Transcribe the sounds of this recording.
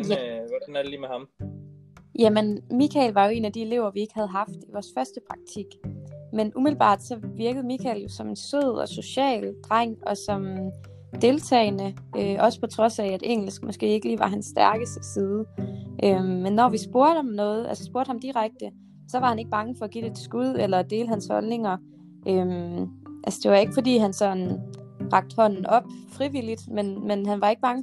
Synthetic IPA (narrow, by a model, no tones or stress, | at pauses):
jʋd̥ænæɐd̥eliːmehɑ̈m | jæmenmikʰɛ̰lʋɑ̈jo̝e̝̰ːnæd̥ie̝le̝ʊ̰ɐʋie̝ɡ̥hæð̞̩ˠɦɑ̈fd̥iʋɒːsfɶɐsd̥əpʰʁɑ̈ɡ̥̚t͡sʰiɡ̥menʔumi̥l̩b̥ɑ̰̈ːd̥sɒ̽ʋiɐɡ̥əð̩ˠmikʰɛ̰ljo̝sɒ̽me̝nsøð̰ˠɒ̽so̝ɕɛ̰ːld̥ʁaŋ̰ɒ̽sɒ̽m | d̥e̝lt͡sʰɛ̰ːɪnəøʔɒ̽sə̥pʰɒ̽t͡sʰʁɒ̽sææd̥eŋ̰l̩sɡ̥mʔɒ̽sɡ̥e̝̰ːe̝ɡ̥əliːʋɑ̈ɦænsːd̥æɐɡ̥əsd̥ə̥siðˠəʔømmːenːɒʋisb̥o̝ɐd̥ɒ̽mnɔ̽ːð̞̩ˠʔæ̰lsə̥sb̥o̝ɐd̥hɑ̈md̥iʁaɡ̥̚d̥ə | sɒ̽ʋɑ̈hæne̝ɡ̥̚b̥ɑ̈ŋəfɒ̽æɡ̥ḭːd̥e̥sɡ̥uð̰ˠelɐd̥e̝ːləhænshɒ̽lne̝ŋɐ | ʔømʔælsəd̥e̝ʋɑ̈e̝ɡ̥əfɒ̽d̥ḭːɦænsɒ̽n̩ʁɑ̈ɡ̥̚d̥hɒ̽n̰n̩ɒ̽b̥fʁiʋilid̥menmenɦænʋɑ̈e̝ɡ̥əb̥ɑ̈ŋə